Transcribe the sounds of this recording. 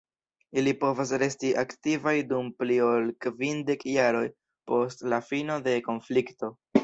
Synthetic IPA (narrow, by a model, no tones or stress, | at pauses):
ilipo̞vas̬ɾe̞stiʔaktivajdumplio̞lkvinde̞kjaɾo̞j | po̞stlafino̞de̞ko̞nflikto̞